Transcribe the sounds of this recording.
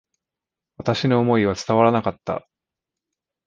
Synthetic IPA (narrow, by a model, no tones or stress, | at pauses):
βat̪aɕino̞ːmo̞iβ̞at͡sɨ̥t̪aβaɾanakat̪ːa̰